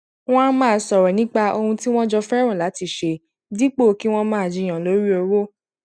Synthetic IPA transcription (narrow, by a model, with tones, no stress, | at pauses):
w̃ɔ̃˦mãː˦˨sɔ˨ɾɛ˨nĩ˨˦k͡pa˧o˧hũ˧ti˦w̃ɔ̃˦d͡ʒɔ˧fɛ˦ɾ̃ɔ̃˦˨la˨˦ti˧˨ʃe˧ | di˦k͡po˦˨ki˦w̃ɔ̃˦mãː˦˨d͡ʒi˧˨j̃ã˨lo˨˦ɾi˦o˧ɾo˦